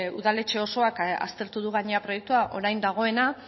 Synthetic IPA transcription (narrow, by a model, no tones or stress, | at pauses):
uðale̞t͡ʃe̞o̞so̞aka̰st̪e̞ɾt̪uðuɣ̞aɲeapɾo̞je̞k̚t̪uaʔo̞ɾajnd̪aɣ̞o̞e̞na